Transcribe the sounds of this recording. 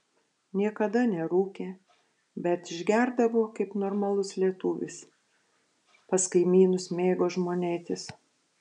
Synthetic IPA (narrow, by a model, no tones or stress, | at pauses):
nʲiɛkɐd̪ɐnʲɛɾuːkʲeː | bʲɛt̪ɪʒʲɡʲæɾd̪ɐʋoːkɐɪpnoːɾmɐlˠʊslʲiɛt̪uːʋʲɪ̰s | pɐskɐɪmʲiːnʊsmʲeːɡoːʒmoːnʲeːt̪ʲɪs